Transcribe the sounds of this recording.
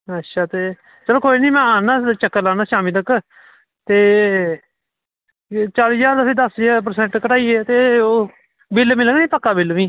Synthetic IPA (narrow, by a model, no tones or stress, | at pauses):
ətːʃʰaːt̪eː | t͡ʃəloːkoːiniːmɛ̃ːaːnãːt͡ʃəkːəlaːnãːʃaːmĩːt̪ək | t̪eː | t͡ʃaːliːd͡ʒaːɾd̪əseːd̪əsep̬əɾsɛ̃ɳʈkəʈaːiːeːt̪eː | bɪlmɪləɡnĩːpəkːaːbɪlʋĩː